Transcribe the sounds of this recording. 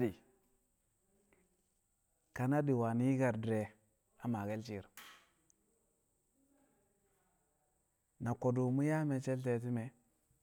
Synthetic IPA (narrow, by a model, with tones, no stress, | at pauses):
di˨ | ka˨na˦di˨wa˨ni˦i˦ɡa˨ɾdɾe˨ | a˨ma˨ɡe˦lt͡ʃi˨ɾ | na˨ko˨du˨mu˦ja˦me˨t͡ʃe˦lt̬e˦t̬i˦me˨